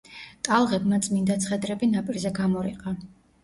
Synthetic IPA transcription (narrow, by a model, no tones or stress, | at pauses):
t̪ʼalˠʁɛbmat̪sʼmind̪at̪sʰχɛd̪ɾɛbinapʼiɾzɛɡamɔɾḭqʼa